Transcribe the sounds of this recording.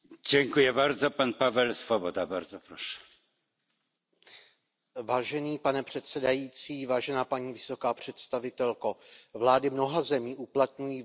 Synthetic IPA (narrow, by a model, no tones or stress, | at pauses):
ɟɛŋkujɛbaɾzopanpavɛlsvobod̪abaɾzɔpɾoʃɛ̥ | vaːʒɛniːpanɛpr̝̥ɛt̪sɛdajiːt͡siːvaːʒɛnaːpaɲiːvɪso̞kaːpr̝̥ɛt̪st̪avɪt̪ɛlkovlaːdɪmno̞ɦazɛmiːʔuplat̪̚ɲujiː